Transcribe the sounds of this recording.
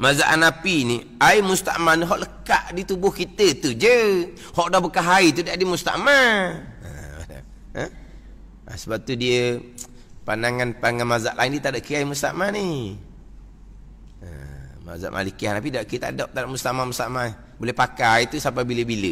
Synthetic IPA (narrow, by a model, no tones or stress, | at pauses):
mazaʔanapini | aimust̪a̰ʔmaniɦɔʔləkaʔdit̪ubʊhkit̪ət̪ud͡ʒə | hɔʔdabəkaɦait̪udaadimust̪a̰ʔmaə̰a̰da̰ | ə | a̰səbap̚t̪udiə | panaŋanpaŋanmaza̰ʔlaindiət̪adaʔkiaimust̪a̰ʔmani | ə̰ma̰za̰ʔmʔa̰likiahnapidaʔkit̪a̰daʔt̪adaʔmust̪aʔmamust̪a̰ʔmani | bolɛhpakait̪usap̬abiləbilə